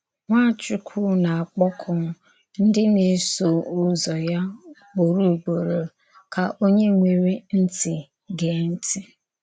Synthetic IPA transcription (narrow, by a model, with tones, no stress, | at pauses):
ŋʷa˦˨t͡ʃʊ˦kʷʰu˦na˨a˨k͡pɔ˦kʰʊ˨˦ | n̩˦dɪ˦ne˨˦so˨ʊ˦zɔ˨ja˦k͡po˨ɾu˦˨ɡ͡bo˨ɾo˨ | kʰa˨ʔo˦ɲe˦ŋʷe˨ɾi˦n̩˦tɪ˨ | ɡe˨˦n̩˦tɪ˦